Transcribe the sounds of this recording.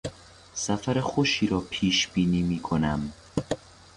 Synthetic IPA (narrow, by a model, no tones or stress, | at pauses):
sæfæɾexoʃiːɾɒːpʰiːʃb̥iːniːmiːkʰonæm